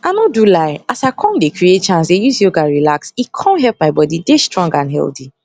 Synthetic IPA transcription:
anodulaɪasakʰɔ̃ndekɹiet̚t͡ʃãnsejusioɡaɹilaksikʰɔ̃nɦɛlp̚maɪbɔdidestɹɔ̃ŋɡãnɦɛ̰ldi

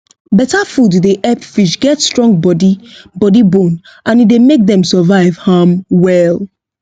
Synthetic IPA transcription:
bɛtafududeʔɛpfiʃɡɛtstɹɔ̃ŋɡ̚bɔdibɔdibõn | ʔãnidemek̚ðɛ̃msəvaɪv̥hamwɛl

